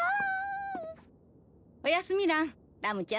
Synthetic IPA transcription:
ojasumiɾa | damũt͡ʃia

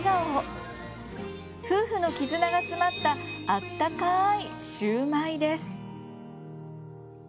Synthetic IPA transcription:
ɡao | ɸɯ̟ːɸɯ̟no̞kʲizɨnaɡat͡sɨmat̪ːaat̪ːakaiɕɨːmaid̪e̞sɨ̥

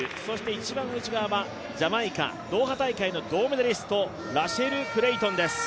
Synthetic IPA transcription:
ɯ̟so̞ɕi̥t̪e̞it͡ɕibãɰ̃ɯ̟t͡ɕiɡaβaba | d͡ʑamaikã̰ | d̪o̞ːɦat̪aikaino̞d̪o̞ːmɯd̪eɾʲisɨ̥t̪o̞ | ɾaɕe̞ɾɯ̟kɯ̟ɾe̞it̪õnd̪e̞sɨ̥

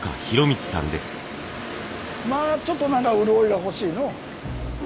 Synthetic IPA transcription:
ka̰çiɾo̞mʲit͡si̥sã̰nd̪e̞sɨ̥ | maːt͡ɕo̞t̪ːo̞nãŋkaɯ̟ɾɯ̟oiɡaɦo̞ɕiːno̞

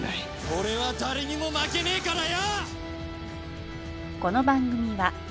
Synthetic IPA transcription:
ko̞ɾe̞βad̪aɾeɲ̟imo̞make̞neːkaɾaja | ko̞no̞bãŋɡɯ̟mʲiβa

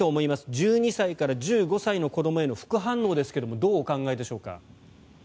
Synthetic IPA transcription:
o̞ːmo̞imasɨ̥d͡ʑɨːɲ̟isaikaɾaʑɨːɡo̞saino̞ko̞d̪o̞mo̞e̞no̞ɸɯ̟̥kɯ̟ɦãnːo̞ːd̪e̞sɨ̥ke̞d̪o̞mo̞d̪o̞ːkãŋɡaed̪eɕo̞ːka̰

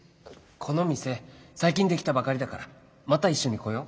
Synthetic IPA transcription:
kʰo̞no̞mʲise̞saikʲĩnd̪e̞kʲi̥t̪abakaɾʲid̪akaɾa | mat̪aiɕːo̞ɲ̟iko̞jo̞

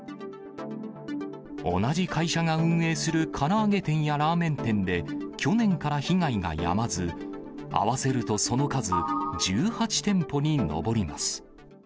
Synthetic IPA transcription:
o̞̰naʑikʰaiɕaŋaɯ̟̃ɰ̃e̞ːsɨɾɯ̟kʰaɾaːɡe̞t̪ẽ̞ɰ̃jaɾaːmẽ̞nt̪ẽ̞nd̪e̞kʲo̞nẽ̞ŋkaɾaçiŋɡaiɡa̰ja̰mazɨ | a̰βase̞ɾɯ̟t̪o̞so̞no̞kazɨd͡ʑɨːhat͡ɕi̥t̪ẽ̞mpo̞ɲ̟ino̞̰bo̞ɾʲimasɨ̥

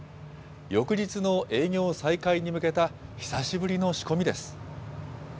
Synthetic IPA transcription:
jo̞kɯ̟d͡ʑit͡sɨno̞ʔe̞ːŋʲo̞ːsaikaiɲ̟imɯ̟ke̞t̪açi̥saɕibɯɾʲino̞ɕi̥ko̞mʲid̪e̞sɨ̥

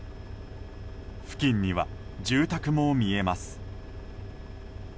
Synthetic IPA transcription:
ɸɯ̟̥kʲĩɲ̟ːiβa̰d͡ʑɨːt̪akɯ̟mo̞mʲie̞masɨ̥

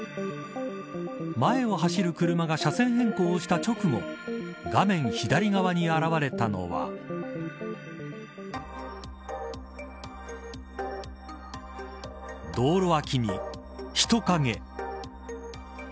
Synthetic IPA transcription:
mae̞o̞ɦaɕiɾɯ̟kɯ̟ɾɯ̟maɡaɕasẽ̞ɰ̃ɦẽ̞ŋkoːɕi̥t̪at͡ɕo̞kɯ̟mo̞̰ɡamẽ̞ɰ̃çid̪aɾʲiɡaβaɲ̟iaɾaβaɾe̞t̪ano̞̰βa̰ | d̪o̞ːɾo̞βakʲiɲ̟ḭ | çi̥t̪o̞kaŋe̞̰

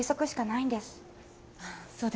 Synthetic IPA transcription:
iso̞kɯ̟ɕi̥kanaĩnd̪e̞sɨ̥ | asoːd̪

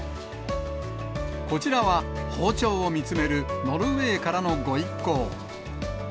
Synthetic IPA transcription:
ko̞t͡ɕiɾaβaho̞ːt͡ɕo̞ːomʲit͡sɨme̞ɾɯ̟no̞ɾɯ̟e̞ːkaɾano̞ɡo̞ikːo̞ː

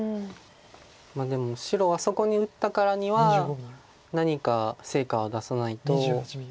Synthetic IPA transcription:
ɯ | mad̪e̞mo̞ɕiɾo̞βaso̞ko̞ɲ̟iɯ̟t̪ːakaɾaɲ̟iβa | naɲ̟ikase̞ːkaβod̪asanait̪o̞

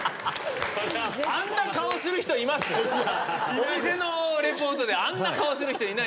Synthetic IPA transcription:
aãnːakaosɨɾɯ̟çi̥t̪oimasɨ | omʲise̞no̞ɾe̞po̞ːt̪od̪e̞ãnːakaosɨɾɯ̟çit̪o̞ina

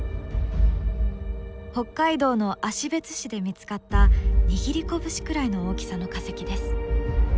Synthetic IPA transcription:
ho̞kːaid̪o̞ːno̞ʔaɕibe̞t͡sɨ̥ɕid̪e̞mʲit͡sɨ̥kat̪ːaɲ̟iɡʲiɾʲiko̞bɯ̟ɕi̥kɯ̟ɾaino̞oːkʲi̥sano̞kase̞kʲid̪e̞sɨ̥

